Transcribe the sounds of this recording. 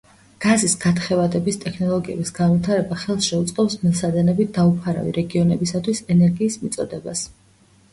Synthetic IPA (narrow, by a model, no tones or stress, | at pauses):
ɡ̥azisɡat̪χɛvad̪ɛbist̪ʼɛkʰnɔlˠɔɡiɛ̰bisɡanvit̪ʰaɾɛbaχɛlˠsʃɛut̪sʼqʼɔpsmɛlˠsad̪ɛnɛbit̪̚d̪aupʰaɾa̰vḭɾɛɡiɔnɛbisat̪ʰwisɛnɛɾɡiːsmit̪sʼɔd̪ɛbas